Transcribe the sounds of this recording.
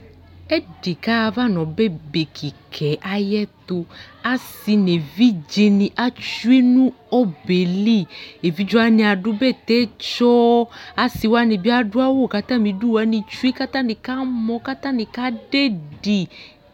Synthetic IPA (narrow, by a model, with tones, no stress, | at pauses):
ɛ˦ɖe˨ka˦˧va˦nɔ̃˨bɛ˦be˨kʰi˨kʰɛ˨˦ʔa˨jɛ˦t̪o˧a˨si˧ne˨vi˦d͡ʒe˧nĩ˨ʔa˦t͡ʃu˦e˦nũ˦ɔ˦be˨li˦˨e˨vi˨˦d͡ʒɔ˦a˦nĩ˧a˨ɖu˦bɛ˦˨t̪ɛ˦t͡ʃɔ˦a˨si˧˨wa˦nĩ˧bi˦a˦ɖu˦a˦wo˦˨ka˦t̪ã˦mĩ˨ɖu˦wa˦nĩ˧t͡ʃu˦e˦ka˦t̪ã˦nĩ˨ka˦mɔ̃˧ka˦t̪ã˦nĩ˧ka˦ɖe˦ɖi˨